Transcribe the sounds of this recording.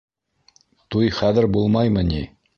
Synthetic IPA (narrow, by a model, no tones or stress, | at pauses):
t̪ujχæðɘ̆ɾbulˠmɑjmɤni